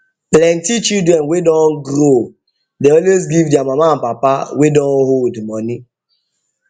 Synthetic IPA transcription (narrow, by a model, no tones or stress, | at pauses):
plɛ̃ntit͡ʃildɹɛ̃nwedɔ̃nɡɾo | deɔlwezɡivdɛamamaãnpapawedɔ̃nholdmɔni